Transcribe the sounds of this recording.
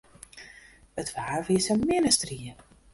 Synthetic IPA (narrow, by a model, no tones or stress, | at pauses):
ətʰʋaːrviəsəmɪnəstriə